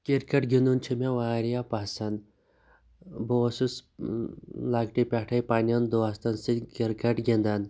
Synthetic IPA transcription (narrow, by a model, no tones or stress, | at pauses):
kiɾkɐʈɡʲind̪unt͡ʃʰimeʋaːɾijapɐsɐn | bosus | laːɡʈipʲaʈʰɐjpaːnʲɐnd̪oɐst̪ɐnsikiɾkɐʈɡʲind̪ɐn